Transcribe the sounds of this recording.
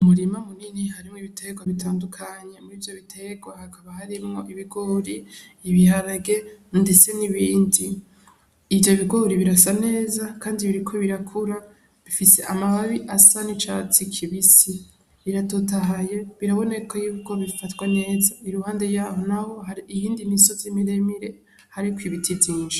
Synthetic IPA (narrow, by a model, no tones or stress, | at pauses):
umuɾimamuninihaɾimŋoiβitʰe̞ɡɡwaβitʰaːndukʰaɲe̞muɾiːvjo̞βitʰeɡwahakʰaβahaɾimŋo̞ʔiβiɡoɾiːβihaɾaɡe̞nde̞t͡se̞niβiːndiː | vjo̞βiɡo̞ɾiβiɾasane̞ːzakaːndiβiɾikʰo̞βiɾakʰuɾa | βifise̞ʔamaβaβiʔasanit͡ʃa̰t͡sikʰiβisi | βiɾatotaɦaje̞βiɾaβo̞ne̞kojuβuko̞βifatwane̞ːzaiɾuhaːnde̞jaːho̞naho̞haɾiːjiːndimiso̞zimiɾe̞miɾe̞ | haɾikwiβitʰiziːʒa